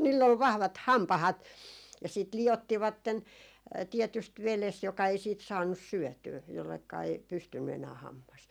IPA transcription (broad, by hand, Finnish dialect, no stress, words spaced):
niːlː ol ʋɑhʋɑt hɑmpɑhɑt jɑ siːt liotːiʋɑtːen tiɛtyst ʋeles jokɑ ei siːt sɑːnːus syœˑtyː jolːekːɑ ei pystynːy enæː hɑmːɑs